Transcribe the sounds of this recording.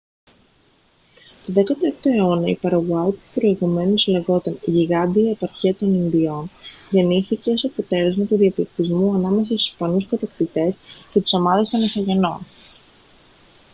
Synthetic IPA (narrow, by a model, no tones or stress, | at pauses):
t̪oðe̞kɐt̪ɐekt̪o̞e̞o̞nɐipɐɾɐɣuɐipupɾo̞iɣume̞nusleɣo̞t̪ɐniʝiɣɐnd̪iːepɐɾçiɐt̪o̞ninðio̞nʝeniθice̞o̞sɐpo̞t̪e̞le̞zmɐt̪uðiɐplikt̪izmuɐnɐme̞s̬ɐst̪u̥spɐnuskɐt̪ɐkt̪it̪e̞scet̪u̥sɐmɐðest̪onesɐʝe̞no̞̰n